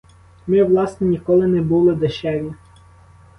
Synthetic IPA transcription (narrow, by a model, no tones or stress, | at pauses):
mɪʋlˠɑsnɛnʲikɔlˠɪnɛbulˠɪd̪eʃɛʋʲi